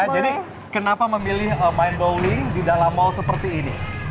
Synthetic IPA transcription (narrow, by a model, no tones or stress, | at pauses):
d͡ʒadi | kənapaməmilɪhəmainbowlɪŋdidalamːɔlsəpərt̪iːnḭ